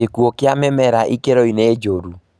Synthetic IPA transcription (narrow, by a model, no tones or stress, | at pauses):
ekuokɪamɛmɛɾaʔikeɾoined͡ʒoɾu